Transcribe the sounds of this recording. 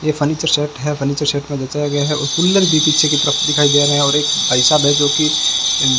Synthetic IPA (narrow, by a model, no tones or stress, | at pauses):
jefʰəniːt͡ʃəɾseːʈɦɛfʰəniːt͡ʃəɾseːʈmẽd͡ʒɐt͡ʃaːjaɡɐjaɦɛʔʊspʊlːəɾbipiːt͡ʃʰekit̪əɾəfʰd̪ɪkʰaːid̪eːɾɐɦɛ̃ɔːɾeːkpaɪsaːbɦɛd͡ʒoːki